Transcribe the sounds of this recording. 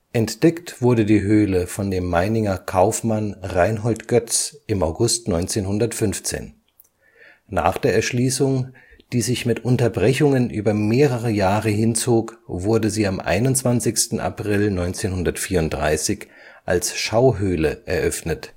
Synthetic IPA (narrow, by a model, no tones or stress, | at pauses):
ʔɛntd̥ɛktv̥ʊɐdədiːɦøːləfɔndeːmːaɪnɪŋɐkʰaʊfmanʁaɪnɦɔltɡ̥œt͡sʔɪmaʊɡʊstnɔʏnt͡seːnhʊndɐtfʏnft͡sḛːn | na̰ːχd̥eːɐɛɐʃliːsʊŋ | d̥iːzɪçmɪtʔʊntɐbʁɛçʊŋənʔyːbɐmeːʁəʁəjaːʁəɦɪnt͡soːkvʊɐdəziːamʔa̰ɪnʊnt͡sv̥ant͡sɪçstn̩ʔa̰pʁ̥ɪlnɔʏnt͡seːnhʊndɐtfiːɐʊnt̚d̥ʁa̰ɪsɪç | ʔa̰lsʃaʊɦøːləʔɛɐʔœfnət